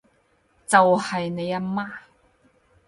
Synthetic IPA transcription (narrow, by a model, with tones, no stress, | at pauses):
t͡sɐ˨whɐ˨jne˨˦ja˧ma˥